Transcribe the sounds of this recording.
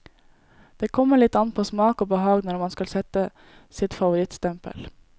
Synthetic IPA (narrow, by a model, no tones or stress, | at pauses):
d̪̥eːkʰɔmːəɭɪt̪ːɑn̚pʰoːsmɑːkoːbəhɑːɡnɔɾmɑnskɑlsɛt̪ə | sɪt̪fɑʋʊɾɪt̪st̪ɛmpə̰l